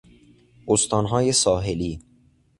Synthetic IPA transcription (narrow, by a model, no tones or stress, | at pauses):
ost̪ɒːnɦɒːjesɒːɦeliː